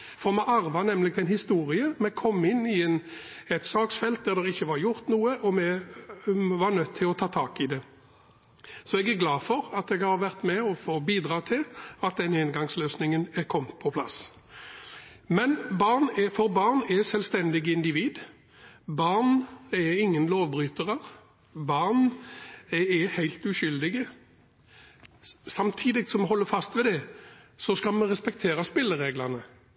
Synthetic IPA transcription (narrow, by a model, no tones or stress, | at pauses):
fɔʁmɛʔɑɾʋɑnɛmlɪɡ̚t̪ʰɛɪnhɪst̪uːɾɪəmɛɡkʰɔmːɪnːɪɛn | ɛt̪sɑːksfɛlt̪̚d̪æɾd̪ɛʁɪçːəʋɑɾjʊɾt̪nuːəʔɔmɛ | ʋɑnœt̪ʰːɪlɔt̪ʰɑːt̪ʰɑːkɪd̪ɛ | sɔɛɡæɾɡlɑːfɔɾɑt̪ɛɡhɑɾʋæʁt̪mɛɔfoːbiːd̪ɾɑːt̪ʰɪlɑt̪̚d̪ɛnhɛnɡɑŋsløːsnɪŋənɛkʰɔmt̪pʰɔpʰlɑ̰s | mɛnbɑʁnɛfɔɾbɑʁnɛsɛlst̪ɛnd̪ɪɡəɪnd̪ɪʋiːd̪ | bɑʁnɛɪŋːənloːʋbʁyːt̪əʁəʁ | bɑʁn | ɛɛhæɪlt̪ʉʃʏld̪ɪɡə | sɑmt̪ʰiːd̪ɪɡsɔmɦɔlːəfɑst̪ʋɛd̪ɛsɔskɑlmɛʁɛspɛk̚t̪ʰeːɾɑspɪlːəʁeːɡlɑʁnə